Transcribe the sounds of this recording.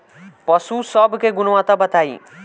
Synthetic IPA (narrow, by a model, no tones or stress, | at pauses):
pʌsusʌbʱkeɡunwãt̪abʌt̪ai